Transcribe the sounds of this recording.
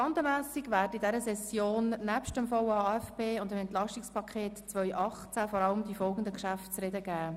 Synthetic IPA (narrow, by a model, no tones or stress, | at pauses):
ɑndəmæːsiɡʋæːɾdidɛɾəsɛsjoːnnæpʃtəmfowɑːɛfpeːʊndəmɛnt̪lɑʃtikspʰɑkʰχeːtt͡sʋœʏʔɑχt͡sæfɔɾɑləmdifɔlɡən̩d̪əkʃæftt͡srɛdəɡæː